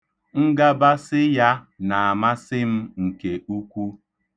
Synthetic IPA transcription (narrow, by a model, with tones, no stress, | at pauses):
ŋ̩˦ɡa˦ba˦sɪ˦ja˦ | na˨a˨ma˦sɪ˦m̩˦ŋ̩˨ke˨u˦kʷu˦